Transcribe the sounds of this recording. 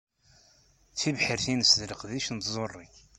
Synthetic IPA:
t͡sːivħəɾθinəsðləqðiʃnt̪zˤorˤːiç

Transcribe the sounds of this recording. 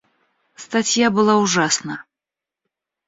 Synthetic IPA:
st̪at͡sʲjabɨlˠauʐasnə

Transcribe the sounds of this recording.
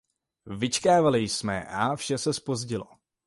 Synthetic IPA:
vɪt͡ʃkaːvalɪjsmɛ̰ʔafʃɛsɛspo̞zɟɪlo̰

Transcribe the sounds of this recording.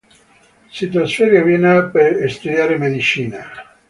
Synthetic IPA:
sit̪ɾasfeɾjavinapeest̪ud̪jaːɾemed̪it͡ʃiːna

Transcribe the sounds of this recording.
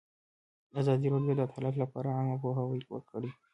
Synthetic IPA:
azɑd̪iɾoɖijod̪ət̪ʰalaflapɑ̰ɾaaŋɡapoɦawəjwə̰ɾkʰəɽi

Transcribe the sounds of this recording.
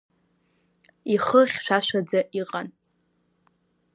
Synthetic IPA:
iχəχʲʃʷᶣaʃʷᶣad͡zaʔiqʼan

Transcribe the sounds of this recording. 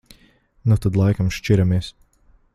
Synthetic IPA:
nut̪ad̪lˠajkamʃt͡ʃiɾamiɛs

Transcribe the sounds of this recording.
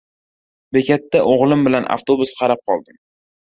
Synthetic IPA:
bekʲʰat̪ːaʔoʁlˠɪmbɪlanʔa̰ft̪obʊsqʰɑɾap̚qʰɒlˠd̪ɪm

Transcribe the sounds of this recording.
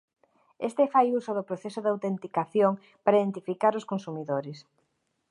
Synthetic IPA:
ḛst̪efajusoðopɾoθesoðawt̪ent̪ikaθjoŋ | paɾaiðent̪ifikaɾoskonsumiðoɾɪs

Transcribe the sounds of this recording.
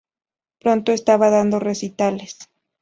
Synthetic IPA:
pɾo̞nt̪oest̪aβaðand̪o̞re̞sit̪ales

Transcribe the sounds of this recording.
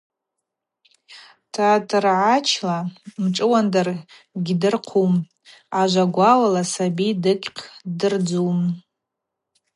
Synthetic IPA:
tʰaːtʰʼɨrʕat͡ʃʰlamʈ͡ʂʼɨwandar | ɡʲdɨrqʰum | aʒʷaɡʷawalasabidɨkʲʼqʲʰdɨrd͡zum

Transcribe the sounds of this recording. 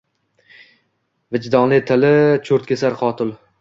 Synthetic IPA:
vɪd͡ʒd̪ɒŋlˠɪt̪ʰɪlɪt͡ʃʰoɾt̪̚kʲʰesaɾqʰɒt̪ʰʊlˠ

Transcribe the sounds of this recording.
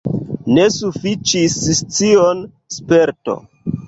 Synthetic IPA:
ne̞sufit͡ʃist͡sion | spe̞ɾto̰

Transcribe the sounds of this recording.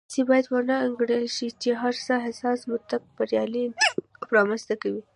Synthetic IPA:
sibɑjad̪wanaːŋɡɽəlʃit͡ʃeɦaɾsaɦɪsɑsmʊt̪ak̚baɾjɑlipɾɑməst̪akawi

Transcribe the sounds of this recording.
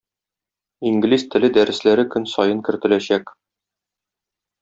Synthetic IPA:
iŋɡlizt̪ɘ̆lɘd̪æɾɘ̆slæɾɘkɵnsɒjɤŋkɘ̆ɾt̪ɘ̆læɕæk

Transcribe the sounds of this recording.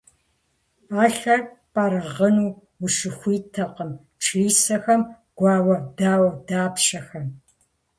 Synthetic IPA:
aːɬɐ | pʼaɾɨʁənuː | wʊʃɨxʷiːtʰɐqəm | ʈ͡ʂʰiːsɐxɐm | ɡ̥ʷɑːwɐdaːwɐdaːpɕɐxɐm

